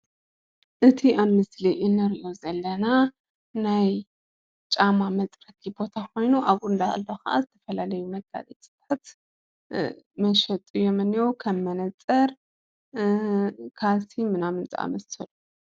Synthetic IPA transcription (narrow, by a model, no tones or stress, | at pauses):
ʔɨt̪ʰiʔaβmɨsliʔɪnɨɾiʔozɐlːɐna | naj | t͡ʃʼamamɐt͡sʼɾɐkʰibo̞t̪ʰako̞jnuʔaβʔʼund̪a̰lːoxɐʔa̰zɨt̪ʰɐ̥fɐlalɐjumɐɡa̰zʼet̪sɨtat̪ | mɐʃɐt̪ʼɨjɛmɨnjowkʰɐmːɐnɐt͡sʼːɐɾ | kʰasimɨnamɨnt͡sʼɨ̰a̰mɐsɨlu